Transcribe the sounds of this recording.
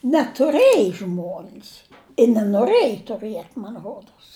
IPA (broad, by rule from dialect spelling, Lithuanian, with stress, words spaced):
nʲɛtʊˈrʲeːjɪ ˈʒmuɔnʲs ɪ nʲɛnoːˈrɘjɪ tʊˈrɨɛtʲ mɐn ˈroːdoːs